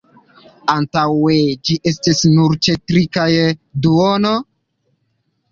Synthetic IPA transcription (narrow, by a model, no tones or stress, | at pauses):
antawed͡ʒiʔe̞stisnuɾt͡ʃetɾikajduono